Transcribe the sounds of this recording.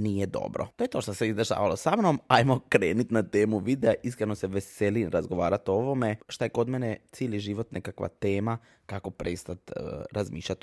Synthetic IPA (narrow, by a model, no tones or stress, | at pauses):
nijed̪o̰bɾo̰t̪ojet̪o̞ːʃt̪oseizd̪eʃa̰ːʋalo̞samnomajmokɾeːnut̪nat̪e̞ːmuʋid̪eaʔiskɾenoseʋeseliɾazɡoʋaːɾat̪ooʋomeʃt̪ajekod̪menet̪siːliʒiʋot̪nʔekakʋa̰t̪eːma | kako̞pɾest̪at̪ə̰ɾazmḭːʃʎʲat̪